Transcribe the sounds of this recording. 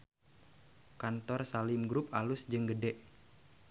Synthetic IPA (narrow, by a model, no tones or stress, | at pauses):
kant̪ɔrsalɪmɡɾʊp̚alʊsd͡ʒɨŋɡədɛʔ